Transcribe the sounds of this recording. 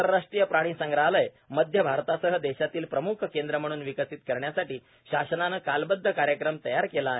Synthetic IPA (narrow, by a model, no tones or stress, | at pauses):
əɾɾaʂʈɾijəpɾaɽ̃iːsəŋɡɾaɦləj | məd̪ʱjəbʱaɾt̪asəɦəd̪ɛɕat̪iːlpɾəmukʰkend̪ɾəm̤əɽ̃uːnʋikəsiːt̪kəɾɳjasaʈiː | ɕasənanəkalbəd̪ʱːəkaɾjəkɾəmt̪əjaɾkelaɦe